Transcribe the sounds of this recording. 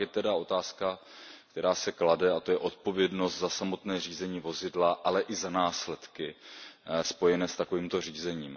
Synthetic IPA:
jɛt̪ɛdao̞t̪aːska | kt̪ɛɾaːsɛkladɛat̪o̞jɛʔo̞t̪̚po̞vjɛdno̞st̪zasamo̞t̪nɛːr̝iːzɛɲiːvo̞zɪdlaʔalɛʔɪzanaːslɛt̪kɪ | spo̞jɛnɛːst̪ako̞viːmt̪o̞riːzɛɲiːm

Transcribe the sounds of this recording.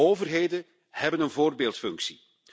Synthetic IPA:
oːvərɦejdə | hɛbənənvoːrbeːlˠtfʏŋksi

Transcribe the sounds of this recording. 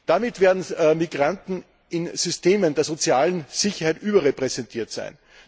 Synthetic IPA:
d̥amɪtv̥eːɐdn̩miɡʁantn̩ | ʔɪnz̥ʏsteːməndeːɐzot͡sjaːlənz̥ɪçɐhæɪtʔyːbɐʁepʁɛzɛntʰiːɐtsæ̰ɪn

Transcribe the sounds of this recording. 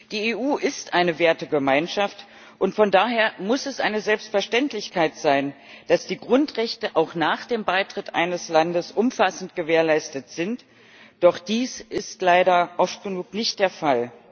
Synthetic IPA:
d̥iːeːʔuːʔɪstʔaɪnəveːɐtəɡəmaɪnʃaft | ʔʊntfɔndaːɦeːɐmʊsɛsʔa̰ɪnəzɛlpstfɛɐʃtɛntlɪçkʰaɪtz̥aɪn | d̥asd̥iːɡʁʊntʁɛçtəʔaʊxnaːχd̥eːmbaɪtʁ̥ɪtʔa̰ɪnəslandəsʔʊmfasn̩tɡ̥əveːɐlaɪstətz̥ɪnt | d̥ɔχd̥iːsʔɪstlaɪɾɐʔɔft̚ɡ̥ənuːknɪçt̚d̥eːɐfal

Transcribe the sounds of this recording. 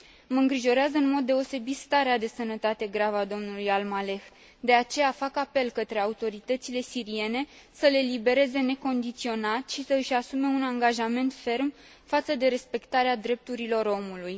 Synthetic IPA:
məɨŋɡɾiʒo̞ɾeazəɨnmo̞d̪ːe̞o̞se̞bit̪st̪aɾead̪e̞sənət̪at̪e̞ɡɾavad̪o̞mnulujalmale̞x | d̪e̞at͡ʃe̞jafakape̞lkət̪ɾe̞aut̪o̞ɾit̪ət̪sile̞siɾie̞ne̞ | səle̞libe̞ɾe̞ze̞ne̞ko̞nd̪it̪sio̞nat̪ʃisəɨʃasume̞unaŋɡaʒame̞nt̪fe̞rm | fat̪səd̪e̞ɾe̞spe̞kt̪aɾead̪ɾe̞p̚t̪uɾilo̞ɾo̞muluj

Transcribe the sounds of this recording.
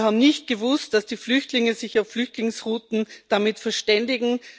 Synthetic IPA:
haːbm̩nɪçt̚ɡ̥əvʊst̚d̥asd̥iːflʏçtlɪŋəzɪçaʊfːlʏçtlɪŋsʁuːtn̩d̥amɪtfɛɐʃtɛndɪɡŋ̩

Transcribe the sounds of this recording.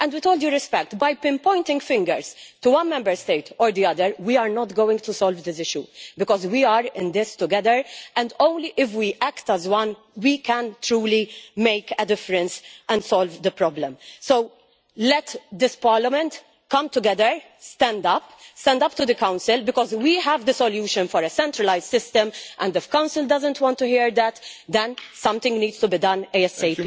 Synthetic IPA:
ʔɛ̃ndwit̪oːld̪juɾɪspɛk̚t̪bɐjpɪ̃mpɔ̃ɪ̃nt̪ɪ̃ŋɡfɪ̃ŋɡə̰ɹst̪uwɐ̃nmɛ̃mbəɹst̪eɪt̪ɔːɹd̪iɐd̪əɾwiaɾnɔt̪ɡowɪ̃ŋɡt̪usɔlvd̪ɪs̬ɪʃjubɪkɔzwiaɾɪ̃nd̪ɪst̪ʊɡɛðəɹɛ̃nd̪õʊ̃nliʔɪfwiʔækt̪əzwɐ̃n | wikɛ̃nt̪ɾuːlimeɪkəd̪ɪfɾɛ̃nsɛ̃ndsɔlvd̪əpɾɔblə̃msow | lɛt̪d̪ɪspɑːɹləmɛ̃nt̪ | kʌ̃mt̪ʊɡɛd̪əɹ | st̪ɛ̃nd̪ɐpst̪ɛ̃nd̪ɐp̚t̪ʊd̪ɨkãwnsɪlbɪkɔzwiɦævd̪əsɔljuːʃɨ̃nfɔɾəsɛ̃ntɾəlaɪzd̥sɪst̪ə̃mʔɛ̰̃ndɪfkãʊnsɪldɐzə̃nt̪wɔ̃nt̪ːuhiːɹd̪æt̪d̪ɛ̃nsʌ̃mt̪ɪ̃ŋɡniːdz̥tubid̪ɐ̃nɛɛseɪf

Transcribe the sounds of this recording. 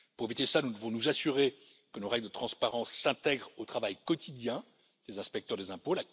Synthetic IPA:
puʁevit̪esanud̪əvɔ̃nuzasyʁe | kənoʁɛɡld̪ət̪χɑ̃spaʁɑ̃sːɛ̃t̪ɛɡʁot̪χavajkɔt̪ʰid̪jɛ̃ | dezɛ̃spɛk̚t̪œʁd̪ezɛ̃pola

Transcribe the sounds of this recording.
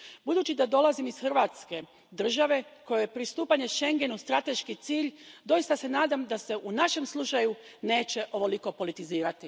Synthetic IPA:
bud̪uːt͡ɕid̪ad̪o̞lˠazimisxrɾʋat̪ske̞ | d̪r̩ʒaʋe̞ko̞jojepɾist̪uːpaɲe̞ʃe̞ŋɡe̞nust̪ɾat̪e̞ʃkit̪siːʎd̪o̞jist̪ase̞naːd̪amd̪ase̞ʔunaʃe̞mslˠut͡ʃajune̞ːt͡ɕe̞ʔo̞ʋo̞liko̞po̞lit̪iziːɾat̪i

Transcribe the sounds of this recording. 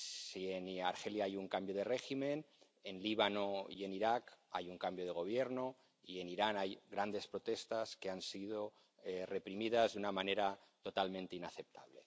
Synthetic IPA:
sienaɾxeljaajuŋkambjo̞ð̞e̞reximẽ̞n | enliβ̞anoie̞niɾakajuŋkambjoð̞e̞ɣ̞o̞β̞jeɾno | ie̞niɾanajɣɾand̪e̞spɾo̞t̪e̞st̪aske̞ansið̞o | re̞pɾimið̞azðunamane̞ɾat̪o̞t̪almẽnt̪einaθe̞p̚t̪a̰βle̞

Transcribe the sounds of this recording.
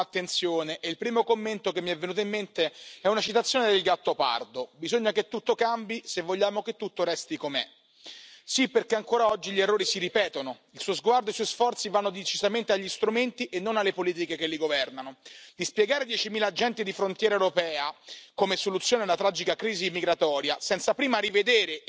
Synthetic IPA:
at̪ːent̪sjoːneʔːilpɾiːmokomːent̪okemːiɛvːenuːt̪̬oimːent̪eɛunat͡ʃit̪at̪sːjoːned̪elɡat̪ːopa̰rd̪obizoɲːaket̪ːut̪ːokambisevːoʎːaːmoket̪ːut̪ːoɾɛst̪ikomḛ | sipːerkeaŋkoːɾaɔd͡ʒːiʎerːoːɾisiɾipɛːt̪onoilsuozɡward̪oesuɔjisfɔrt̪sivanːod̪et͡ʃizament̪eaʎːist̪ɾument̪iʔenːonalːepoliːt̪ikekelːiɡovɛrnanod̪ispjeɡaːɾed̪jɛt͡ʃimiːlaːd͡ʒɛnt̪id̪ifɾont̪jɛːɾaewɾopɛːakomesolut̪sjoːnedlat̪ɾad͡ʒikakɾiːzimiɡɾat̪ɔːɾjasɛnt̪sapɾiːmaɾived̪eːɾe

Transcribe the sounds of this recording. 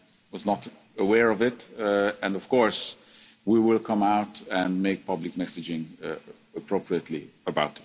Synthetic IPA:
wʌznəɾ | əwɛɹʌvɪtɨ̃nʌv̥kʰɔɹs | wiwɪlˠkʰʌ̃maʊtɨ̃nmeɪk̚pʰʌblɨk̚mɛsɨd͡ʒɪ̃ŋ | əpʰɹ̥oʊpʰɹiɨtʰˡlḭəbaʊtt

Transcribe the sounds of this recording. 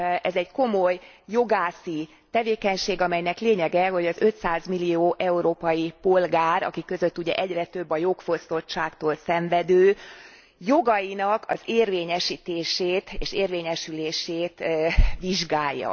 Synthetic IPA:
ɛzɛɟko̞mo̞jː | o̞ɡaːsi | t̪ɛveːkɛɲʃeːɡɒmɛjnɛkleːɲɛɡɛɦo̞ɟɒzø̞t̪saːzmilijoːʔɛuɾoːpɒjipo̞lɡaːɾɒ̰kikːø̞zø̞t̪ːuɟɛ̰ʔɛɟrɛt̪ø̞bːɒjo̞kfo̞st̪o̞tt͡ʃaːkt̪oːlsɛɱvɛd̪øː | jo̞ɡɒjinɒkʰɒ̰zeːrveːɲɛʃiːt̪eːʃeːt̪eːʃeːrveːɲɛʃyleːʃeːt̪ʋiʒɡaːjːɒ̰

